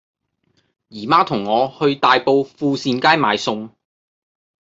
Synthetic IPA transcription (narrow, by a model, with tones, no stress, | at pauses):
jiː˨˩maː˥t̪ʰʊ˨˩ŋːɔː˨˧hɵ˧ɥt̪aː˨jpo˧wfuː˧siː˧nkaː˥jma̰ː˨˧jsʊ˧ŋ